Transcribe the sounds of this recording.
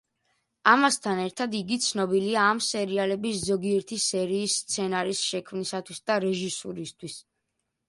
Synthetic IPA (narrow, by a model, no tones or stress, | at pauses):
amast̪ʰanɛɾt̪ʰad̪iɡit̪sʰnɔbiliaːmsɛɾialɛbiszɔɡiɛɾt̪ʰisɛɾiːsːt̪sʰɛnaɾisʃɛkʰmnisat̪ʰwisd̪aɾɛʒisuɾist̪ʰwis